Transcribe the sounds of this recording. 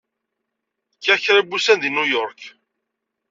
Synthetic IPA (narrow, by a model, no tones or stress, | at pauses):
kːæçɾibːusænd̪inujɔɾk